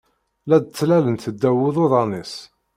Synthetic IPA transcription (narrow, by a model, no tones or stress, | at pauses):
læd̪̚t͡sːlælənt̪əd̪ːæwʊðoðˤɑnis